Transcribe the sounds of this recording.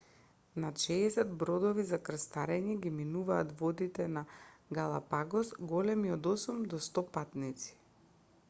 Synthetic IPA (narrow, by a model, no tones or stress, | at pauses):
naʃɛːsɛd̪bɾɔd̪ɔvizakrst̪aɾɛɲɛɡiminuvaːt̪vɔd̪it̪ɛnaɡalˠapaɡɔsɡɔlɛmiɔd̪ɔsumd̪ɔst̪ɔpat̪nit̪si̥